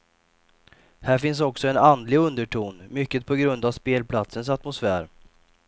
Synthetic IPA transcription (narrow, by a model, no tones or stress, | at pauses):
hæːɾfɪns̬ɔksɔɛnand̪lɪɡɵnd̪əʈʰuːnmʏkːət̪̚pʰɔɡɾɵnd̪avspeːlpʰlat̪səns̬at̪mʊsfæːɾ